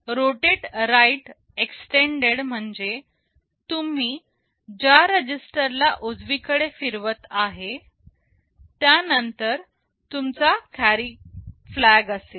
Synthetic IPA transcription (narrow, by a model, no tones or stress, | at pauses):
ɾoʈeʈɾajʈ | eksʈeɳɖeɽm̤əɳd͡ze | t̪um̤iː | d͡ʑaɾəd͡ʑisʈəɾlaʔod͡zʋikəɽefiɾʋət̪aɦe | t̪janənt̪əɾ | t̪umt͡sakʰæɾiflæɡəse